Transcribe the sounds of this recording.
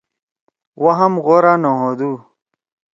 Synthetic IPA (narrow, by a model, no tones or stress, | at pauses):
waɦɐmɣoɾanoɦod̪uː